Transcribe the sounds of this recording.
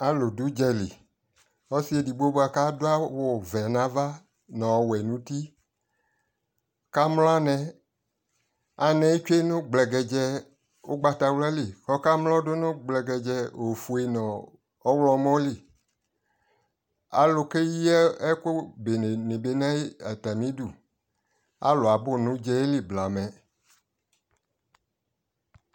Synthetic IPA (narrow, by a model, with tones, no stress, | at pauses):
a˨lʊ˨du˦d͡ʒɛ˧lḭ˨ | ɔ˦si˦e˨di˨ɡ͡bo˦bo˦a˨ka˦do˦a˦wo˨vɛ˨nã˨˦va˦ | nɔ̃˨wɛ˨nũ˨˦ti˦ | ka˦mlɔ̃˦a˦nɛ̃˨ | a˨nɛ̃˨i˦t͡ʃe˦nʊ̃˦ɡ͡blɛ˨ɡɛ˨d͡ʒɛ˧ | o˦ɡ͡ba˨ta˨wlɛ˦li˨kɔ˦ka˦mlɔ˦do˦nʊ̃˦ɡ͡blɛ˨ɡɛ˨d͡ʒɛ˧o˨fu˨e˨nɔ̃˨ | ɔ˦wlɔ˦mɔ̃˦li˦˨ | a̰˨lo˨ke˦ji˦ɛ˦e˦ko˦be˨n˨nĩ˨be˨nã˦i˦a˨t̪a˨nĩ˦du˨ | a̰˦lo˨a˨bo˦nũ˦d͡ʒɛ˦e˦li˦bla˨mɛ̃˨